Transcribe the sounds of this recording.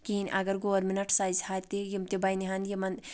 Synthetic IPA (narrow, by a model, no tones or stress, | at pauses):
kiinʲʔɐɡɐɾɡoːɾminɐʈʰsaːzhat̪ijimt̪ibɐjniɦɐnd̪jimɐn